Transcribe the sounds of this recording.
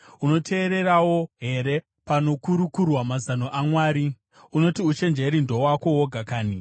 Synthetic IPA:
uno̞tʰe̞ːɾe̞rawo̞ɦe̞ɾe̞ | pano̞kuɾukurwamazanoʔamwaːɾi | uno̞tiut͡ʃe̞nd͡ʒeɾindʱo̞wako̞woɡʱakaːni

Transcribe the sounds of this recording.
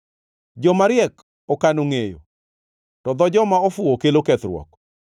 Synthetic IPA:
d͡ʒɔmaɾɪjɛk | ɔkanoŋejo̰ | tɔd̪ɔd͡ʒɔmaɔfʊokelokɛt̪ɾwɔ̰k

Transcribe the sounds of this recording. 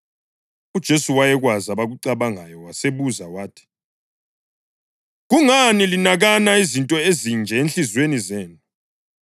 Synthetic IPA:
ud̥ʒ̥ʱesuwajɛɣwazaβaɣuǀaβaŋajɔwaseβuzawaːtʰi̥ | ɣuŋanilinaɣanaizintʼɔezind͡ʒʱɛenɬizwenizeːnu

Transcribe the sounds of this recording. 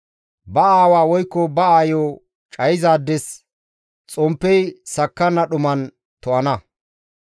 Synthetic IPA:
bɐaːwaːwɔjkːɔbɐaːjoː | t͡ʃʼɐjzaːd̪ːɛs | t͡sʼɔmpːɛjsɐkːɐnːɐɗʊmɐn | t̪ɔʔɐnɐ

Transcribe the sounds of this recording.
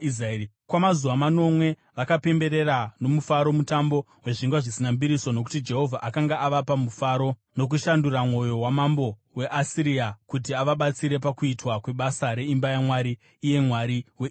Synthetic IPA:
izaei | kwamazuʋamano̞mwe̞ | ʋakape̞mbe̞ɾe̞ɾano̞mufaɾo̞mutambo̞ | we̞ʐiŋɡwaʐisinambiɾiso̞no̞k̬u̥tid͡ʒe̞ɦo̞vʱaʔakaŋɡaʔaʋapamufaɾo̞ | no̞k̬uʃanduɾamwo̞jo̞wamambo̞ | we̞ʔasiɾiakut̬iaʋaɓat͡siɾe̞p̬akuitwakwe̞ɓasaɾe̞imbajamwaɾiː | je̞mwaɾiwe

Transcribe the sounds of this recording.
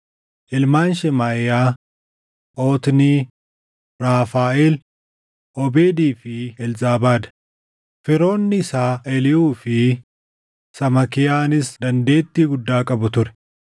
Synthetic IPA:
ʔɪlmaːnʃɛmaːjaː | ʔoːt̪niː | ɾaːfaːʔɛl | ʔɔbeːd̪iːfɪɛlzaːbaːd̪ɐ̥ | fɪɾo̞ːnːɪɪsaːʔɛlɪuːfɪ | sɐmɐkɪjaːnɪsd̪ɐnd̪e̞ːt̪ːiːɡʊd̪ːaːkʼɐbʊt̪ʊɾɛ̥

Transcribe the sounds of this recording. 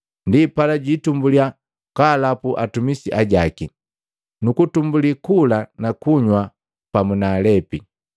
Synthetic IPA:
ndipalaɟitumbulia | kalapuʔatumisiʔaɟaki | nukutumbulikulanakuɲwa | pamunaːlɛpi

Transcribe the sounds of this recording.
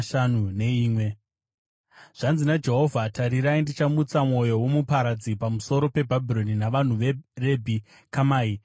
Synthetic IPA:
ʃan̤une̞iːmwe̞ | ʐ̥anzinad͡ʒe̞ɦo̞vʱatʰaɾiɾaindit͡ʃamut͡samwo̞jo̞wo̞mupaɾad͡zipamuso̞ɾo̞pe̞bʱabʱilo̞ninaʋan̤uʋere̞bʱi | kamaːi

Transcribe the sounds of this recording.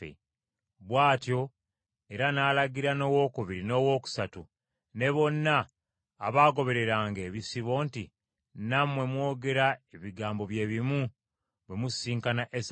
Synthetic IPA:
ḛ | βwaːtjo̞ | e̞ɾanaːlaɡiɾano̞ːwo̞kuβiɾino̞ːwo̞ːku̥satu | ne̞βo̞nːa̰ː | βaːɡo̞βe̞ɾe̞ɾaːŋɡe̞ːβisiβo̞ːnti | namwe̞mwo̞ːɡe̞ɾae̞βiɡaːmbo̞βje̞ːβimu | βwe̞musiːŋkanaʔes

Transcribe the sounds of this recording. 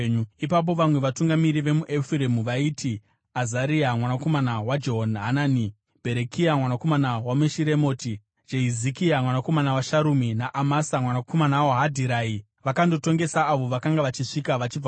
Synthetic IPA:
ipap̬o̞ʋamwe̞ʋatuŋɡamiɾiʋe̞muʔefiɾemuʋaiːti | azaɾiamwanako̞manawad͡ʒoɦonɦanaːni | b̥ʱe̞ɾekʰiamwanako̞manawameʃiɾe̞mo̞ːti | d͡ʒeɦizikiamwanako̞manawaʃaɾuminaʔamasamwanakomanawaɦadʱiɾaːi | ʋakando̞to̞ŋɡe̞saːʋo̞ʋakaŋɡaʋat͡ʃiʂikaʋat͡ʃib͡v

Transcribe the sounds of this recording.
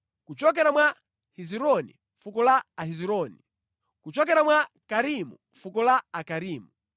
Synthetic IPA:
kut͡ʃɔk̬ɛɾamwa | hiziɾɔnḭ | fukɔlaːhiziɾɔni | kut͡ʃɔk̬ɛɾamwa | kaɾimu | fukɔlaːkaɾiːmu

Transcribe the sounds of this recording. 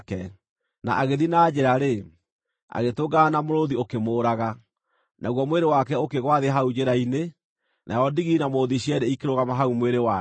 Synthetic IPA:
kɛ | na̰ʔaɣeðinaːd͡ʑeɾaɾe | a̰ɣetoɡaːnamoɾoðiokemoːɾaɣa | nʔaɣwɔmweɾewakɛokeɣwaðeɦaud͡ʑeɾaine | nʔa̰ɔndiɣinamoðiɕiɛɾeikeɾoɣamaɦaumweɾewa

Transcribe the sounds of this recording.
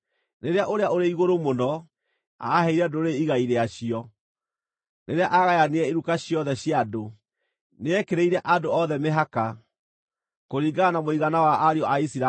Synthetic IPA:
neɾeaʔoɾeaoɾeiɣoɾomonɔ | a̰ːhɛiɾɛdoɾeiɣaiɾeaɕiɔ | nʔeɾeaʔaɣajaneɛeɾukaɕjɔðɛɕjado | neɛkeɾeiɾɛʔadoɔðɛmeɦaka | koɾiːɡanamoiɣanawaʔaɾeɔʔaisiɾa

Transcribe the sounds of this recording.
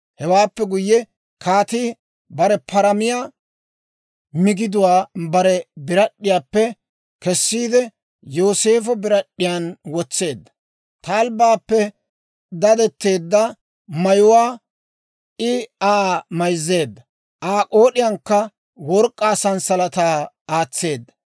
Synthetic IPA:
hɛwaːpːɛɡʊjːɛ | kaːt̪ɪ | bɐɾɛpʰɐɾɐmɪja | mɪɡɪd̪ʊwaːbɐɾɛbɪɾɐɗːɪjaːpːɛ | kɛsːiːd̪ɛ | joːse̞ːfɔbɪɾɐɗːɪjanwɔt͡sːe̞ːd̪ːɐ̥ | t̪aːlbaːpːɛ | d̪ɐd̪ɛt̪ːe̞ːd̪ːɐ | mɐjʊwaː | ʔɪaːmɐjzːe̞ːd̪ːɐ | ʔaːkʼoːɗɪjɐŋkːɐ | wɔɾkʼːaːsɐnsɐlɐt̪aː | aːt͡sːe̞ːd̪ːɐ

